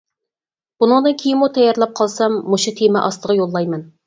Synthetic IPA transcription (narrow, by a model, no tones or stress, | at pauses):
b̥unɨŋd̪ɨnkʲʰejɪmut̪ʰɛjɑɾlˠɑp̚qʰɑlˠsɑmːuʃut̪ʰemɛ̰ʔɑst̪əʁɑjolˠːɑjmɛn